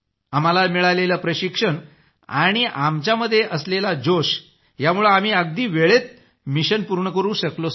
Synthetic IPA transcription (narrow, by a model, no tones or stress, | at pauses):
am̤alamiɭaleləpɾəɕikʂəɳ | a̰ɽ̃iʔamt͡ɕaməd̪ʱːjeʔəslelad͡ʑoɕ | jamuɭeam̤iːəɡ̚d̪iːʋeɭet̪̚ | miɕənpuɾɳəkəɾũːɕəklo